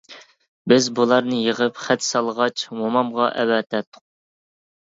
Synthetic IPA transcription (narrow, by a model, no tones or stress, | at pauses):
bɪzbulˠɑɾnɨjəʁəpχæt̪sɑlˠəʁɑt͡ʃmomɑmʁɑʔɛ̰wɛːt̪ʰɛt̪ʰːʊ̥q̚